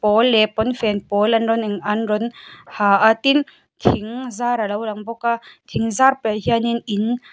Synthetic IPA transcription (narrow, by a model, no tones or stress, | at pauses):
pɔlːɛpɔnfɛnpɔlanɾɔnɛŋanɾɔnhaʔat̪in | t̪ʰiŋzaɾalawlaŋbɔkat̪ʰiŋzarpeɦianinin